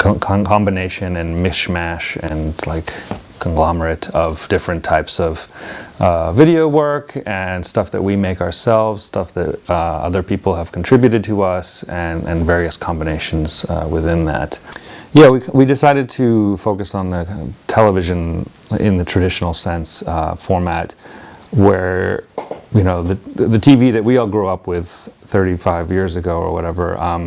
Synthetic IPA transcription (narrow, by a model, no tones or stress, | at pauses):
kʰkʰkʰɑ̃mbɨneɪʃɨ̃nɨ̃nmɪʃmæʃɨ̃nlaɪkʰː | ə̃nɡlɑmə˞ɨɾʌvd̥ɪfɹɨ̃ntʰaɪpsʌv̥ʔʌvɪɾioʊwɜ˞kɨ̃nstʌfðɨ̰ʔ̚wimeɪkə˞sɛlˠvz̥stʌfðɨ̰ɾʌʌ̰ðə˞pʰipl̩ˠəv̥kʰn̩tʰɹ̥ɪbjʉɾɨd̚tʰəʌsɨʔɨ̰̃nvɛɹiɨskʰɑ̃mbɨneɪʃn̩z̥̰wɪðɪ̃nðæ̰tjæwiwidɨsaɪɾɨd̚tʰɨfoʊkɨsn̩ðɨãɪ̃ntʰɛlˠəvɪʒɨ̃n | ɪ̰̃nðɨtʰɹ̥ɨdɪʃn̩l̩ˠsɛ̃nsfɔɹmæt̚wə˞ | jɨñoʊðɨðɨtʰiviðɨʔ̚wiɔlˠɡɹuʌpwɪð̥θɜ˞ɾifaɪvjɪɹzɨɡoʊə̰˞wʌ̰ɾɛvə̰˞ʔʌ̃m